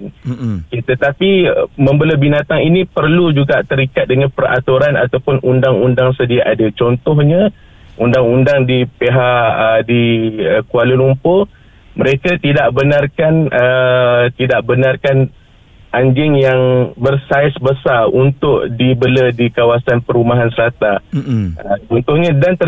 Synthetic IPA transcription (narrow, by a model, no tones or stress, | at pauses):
kit̪ət̪apiməmbələbinat̪aŋinipərlud͡ʒuɡaʔt̪əɾikat̪̚dəŋanpəra̰t̪uɾanʔa̰t̪awpʊnʔundaŋundaŋsədiaʔadət͡ʃɔnt̪ɔhɲə | ʔundaŋundaŋdipeɦaʔədiəkualulumpo | məɾekat̪idaʔbənarkanət̪idaʔbənarkan | ʔaɲd͡ʒɪŋjaŋbərsaɪsbəsarunt̪ʊʔdibələdikawasanpəɾumaɦansəlat̪a | ət͡ʃɔnt̪ɔhɲadant̪ə